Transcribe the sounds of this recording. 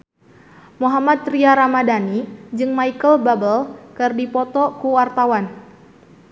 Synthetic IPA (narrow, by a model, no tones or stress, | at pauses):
muɦamat̪̚riaɾamadanid͡ʒɨŋmaikəlbabəlkɨrdipɔt̪ɔkuwart̪awan